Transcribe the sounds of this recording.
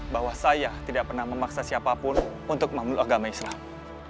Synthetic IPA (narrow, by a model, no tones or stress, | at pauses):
baɦwahsajat̪idaʔ̚pərnahməmaksasiapapʊnunt̪ʊk̚mamʊlaɡamaislam